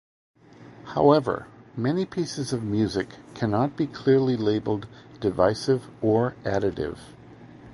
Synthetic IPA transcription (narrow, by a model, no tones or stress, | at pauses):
haʊɛvə̰˞mɛnipʰisɨzʌvmjʉzɨkʰːænɑt̚b̥ikʰl̥ɪɹlileɪbl̩ˠddɨvaɪsɪvə˞ʔæɾɨɾɪ̰v̥